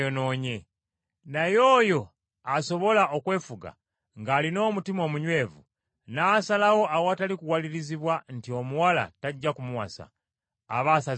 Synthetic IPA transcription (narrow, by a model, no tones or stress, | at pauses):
ono̞ːɲe̞ | najo̞ːjo̞ | aso̞βo̞laʔokwe̞ːfuɡa̰ | ŋɡaːlino̞ːmutimo̞ːmuɲwe̞ːvu | nasalawo̞ʔawoatalikuwaliɾiziβwan̩tio̞muwala̰taɟːakumuwa̰sa̰ː | βaːsa